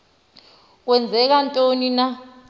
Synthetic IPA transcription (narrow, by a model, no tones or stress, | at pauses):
k̬wɛnd͡zʱɛk̬antʼonina